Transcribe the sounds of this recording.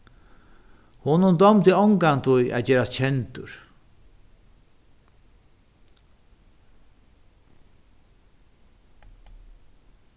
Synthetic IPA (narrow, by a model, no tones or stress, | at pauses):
hʊnʊnd̪ɔmt̪ɪɔŋkant̪ʰʊjʔa̰ːd͡ʑɛːɾast͡ɕʰɛnt̪ʊɹ̥